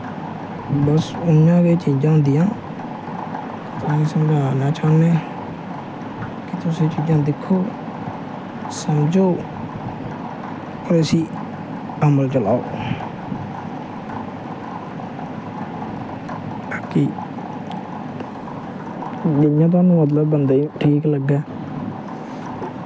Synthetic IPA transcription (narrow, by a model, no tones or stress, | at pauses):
bəsʊnjãːɡeːt͡ʃiːd͡ʒãːd̪ɪjãː | t̪ãːĩːsəməd͡ʒaːnaːt͡ʃaːneː | kit̪ʊsẽːt͡ʃiːd͡ʒãːd̪ɪkʰːoː | səmd͡ʒoː | oɾsiː | əməlt͡ʃəlaːo̰ː | aːki | dɪjãːt̪̬oaːnũːmət̪̬ləbːənd̪aːiʈʰiːkləɡaː